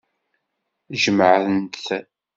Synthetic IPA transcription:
ʒəməʕθənt̪θ

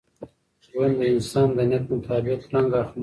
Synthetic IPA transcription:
wand̪əɪnsɑːnd̪ənjat̪̚mʊt̪ʰɑːbɪqlaŋɡaxm

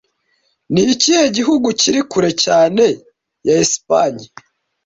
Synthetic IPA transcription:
niciheɟiɦuɡuciɾikuɾe̞caːne̞ | jaispaɲi

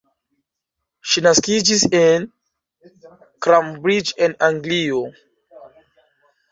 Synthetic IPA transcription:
ʃinaskid͡ʒisen | kɾambɾid͡ʒenaŋɡlio

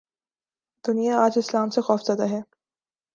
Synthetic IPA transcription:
d̪ʊnijaaːd͡ʒɪslaːmsexɔːfzad̪aɦɛː

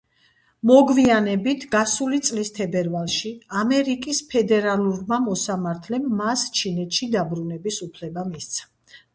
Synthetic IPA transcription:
mɔɡvianɛbit̪ʰɡasulit̪sʼlist̪ʰɛbɛɾvalˠʃiamɛɾikʼispʰɛd̪ɛɾaluɾmamɔsamaɾt̪ʰlɛmːast͡ʃʰinɛt̪ʃid̪abɾunɛbisupʰlɛbamist̪sʰḁ

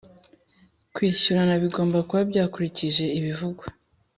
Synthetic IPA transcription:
kwiːçuɾanaβiɡo̞ːmbakuβabɟaːkuɾiciʒe̞iβivuɡwa

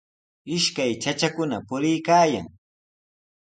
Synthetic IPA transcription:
ɪʃkajt͡ʃat͡ʃakʊnapʊɾɪjkaːja̰ŋ

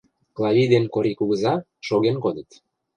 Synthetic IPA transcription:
klˠɑvid̪enkoɾikuɣəzɑ | ʃoɣenkod̪ət̪

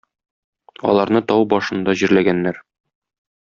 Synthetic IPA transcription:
ɒ̰lˠɑɾnɤt̪ɒwbɒʃɤ̆nd̪ɑʑiɾlæɡænːæɾ

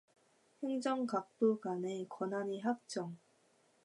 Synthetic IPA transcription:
heŋd͡ʑʌŋkak̚t͈oɡanekwʌnɦaɲiɦak̚t͡ɕ͈ʌŋ

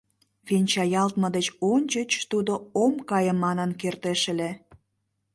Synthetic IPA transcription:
βenʲt͡ɕɑjɑlt̪məd̪et͡ɕonʲt͡ɕət͡ɕt̪ud̪oomkɑjəmːɑnənkert̪eʃĕle

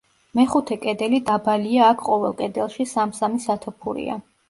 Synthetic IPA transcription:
mɛχut̪ʰɛkʼɛd̪ɛlid̪abaliaːkʰqʼɔvɛlˠkʼɛd̪ɛlˠʃisamsamisat̪ʰɔpʰuɾḭa̰

